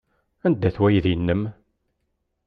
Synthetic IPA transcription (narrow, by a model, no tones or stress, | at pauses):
ænd̪ːæθwæjðiənːəm